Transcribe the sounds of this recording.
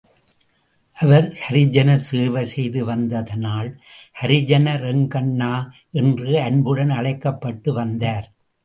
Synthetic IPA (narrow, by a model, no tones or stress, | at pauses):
ʔɐʋɐɾhɐɾɪd͡ʒɐnɐseːʋɐsɛjðɯʋɐnd̪ɐðɐnaːlhɐɾɪd͡ʒɐnɐɾɛŋɡɐɳːaː | ʔɛndrɯɐnbɯɽɐnɐɭɐɪkːɐpːɐʈːɯʋɐnd̪aːɾ